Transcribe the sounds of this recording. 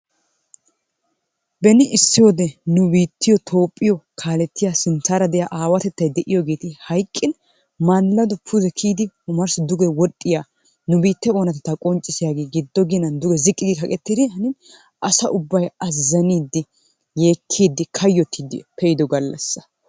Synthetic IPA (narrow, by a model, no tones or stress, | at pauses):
bɛnɪʔɪsːɪjod̪ɛnʊbiːt̪ːɪjɔt̪ʰo̞ːpʼːɪjɔkʰaːlɛt̪ːɪjasɪnt̪aːɾɐd̪ɛjaʔaːwɐt̪ɛt̪ːɐjd̪ɛʔɪjɔɡeːt̪ɪhɐjkʼːɪn | manlːɐd̪ɔpʰʊd̪ɛkʰiːd̪ɪhʊmɐɾsɪd̪ʊɡɛwɔtʼːɪjaː | nʊbiːt̪ːɛo̞ːnɐt̪ɛt̪ːɐkʼɔnt͡ʃʼːɪsɪjaːɡeːɡɪd̪ːɔɡɪnɐnd̪ʊɡɛzɪkʼːɪd̪ɪkɐkʼɛt̪ːɪd̪ɪhɐnɪn | ʔɐsɐʔʊbːɐjɐzːɐniːd̪ːɪ | je̞ːkʰːiːd̪ːɪkʰɐjːɔt̪ʰːid̪ɪ̰pʰɛjɪd̪ɔɡɐlːɐ̰sːɐ̥